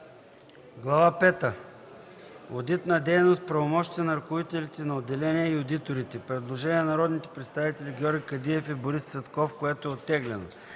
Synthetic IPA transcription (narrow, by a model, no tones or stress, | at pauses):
ɡlˠɐvapɛt̪ə | od̪it̪nɐd̪ɛjnost̪̚pɾɐvomɔʃt̪iɛnɐɾɐkʊvit̪ɛlʲit̪ɛnɐod̪ːɛlɛniɛiod̪it̪oɾit̪ɛpɾɛd̪lˠoʒɛniɛnɐɾɔd̪nit̪ɛ̥pɾɛt̪st̪avit̪ɛlʲiɡʲɔɾɡʲikɐd̪iɛfɛboɾist̪svɛt̪kɔfkoɛt̪oɛot̪ːɛɡlɛno̰